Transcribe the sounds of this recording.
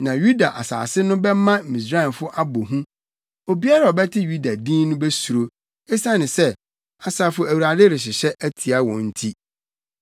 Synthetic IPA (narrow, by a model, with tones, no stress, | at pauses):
nã˨ju˦da˨ʔa˨sa̰ː˨sɪ˦nʊ̃˦bɛ˦mã˦˨mĩ˨s̬ɾa˦ɪ˨nfʊ˦ʔa˦bo˨ɦũ˦ | o˨bi˦a˦ɾa˨ɔ˨bɛ˦tʰɪ˦ju˦da˨dĩ˦nʊ̃˦bɛ˦su˨ɾo˨ | ɛ˦sã˦nɪ̃˨sɛ˦ | a˨saː˨fʊ˦æ˨wu˨ɾa˨dɪ˦ɾɪ˨ɕ̬ɪ˨ɕɛ˦ʔæ˦tʰi˨a˦wɔ̃˨n̩˦tʰi˦